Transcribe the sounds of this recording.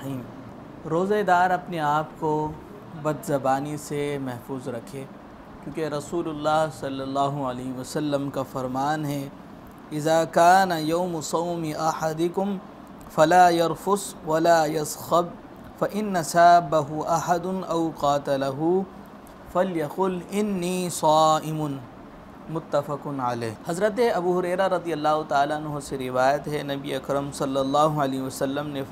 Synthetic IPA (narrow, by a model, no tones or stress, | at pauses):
iːm | ɾoːzed̪aːɾɐpneaːpko | bɐd̪zɐbaːnisemɛɦfuːzɾɐkʰeː | kjõːkeɾɐsuːlʊlːaːɦsɐlːɐlːaːɦʊʕɐleːɦʋɐsɐlːəmkafɐɾmaːnɦɛː | ɪzaːkaːnɐjɐʊmʊsɐʊmɪʔɐħad̪ɪkʊm | fɐlaːjɐɾfʊswɐlaːjɐsxɐb | fɐʔɪnːɐsaːbːɐɦʊʔɐħad̪ʊnʔɐwqɑːt̪ɐlɐɦu | fɐljɐqʊːlɪnːiːsɑːʔɪmʊn | mʊt̪ːɐfɐqʊnʕaleːɦhɐzɾət̪̬eɐbuːɦʊɾɛːɾaɾˤɐd̪ijɐlːaːɦʊt̪aaːlaɐnɦoseɾɪʋaːjɐt̪ɦɛnɐbiḛɐkɾɐmsɐlːɐlːaːɦʊʕɐleːɦiʋɐsɐlːəmne